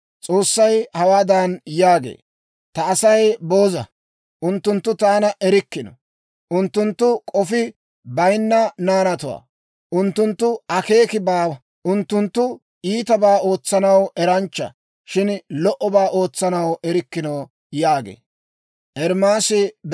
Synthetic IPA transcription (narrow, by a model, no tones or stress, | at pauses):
t͡sʼo̞ːsːɐjhɐwaːd̪anjaːɡḛː | t̪ɐːsɐjbo̞ːzɐ | ʔʊnt̪ːʊnt̪ːʊt̪aːnɐʔɛɾɪkːɪnɔ̰ | ʔʊnt̪ːʊnt̪ːʊkʼɔfɪ | bɐjnːɐnaːnɐt̪ʊwa̰ː | ʔʊnt̪ːʊnt̪ːʊɐke̞ːkɪbaː | ʔʊnt̪ːʊnt̪ːʊ | ʔiːt̪ɐbaːo̞ːt͡sːɐnɐwɛɾɐnt͡ʃːɐ̰ | ʃɪnlɔʔɔbaːʔo̞ːt͡sːɐnɐwʔɛɾɪkːɪnɐw | jaːɡḛː | ʔɛɾmaːsɪd̪